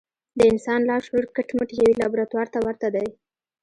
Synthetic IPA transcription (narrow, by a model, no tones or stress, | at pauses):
d̪əɪnsɑnlɑʃloɾkəʈməʈjawilɑbɾat̪wɑɾt̪awaɾt̪ad̪aj